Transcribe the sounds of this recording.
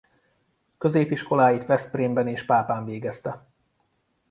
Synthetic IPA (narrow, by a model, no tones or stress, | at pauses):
køzeːpiʃko̞laːjit̪ʋɛst̪̚priːmbɛneːʃpaːpaːɱveːɡɛst̪ɛ